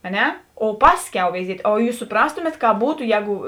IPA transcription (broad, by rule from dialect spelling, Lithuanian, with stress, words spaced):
ɐ ˈnʲɛ oː ˈpɑːsʲˌkʲɛʊ ʋʲɛɪˈzʲiɛtʲ oː ˈjuːs sʊˈprɑːstʊmʲeːt ˈkɑːp ˈbuːtʊ ˈjɛːɡʊ